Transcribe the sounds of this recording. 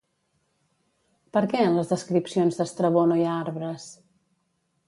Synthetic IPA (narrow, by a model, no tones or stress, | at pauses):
pəɾkɛənləzðəskɾipsionzðəst̪ɾəβonoiaaɾβɾəs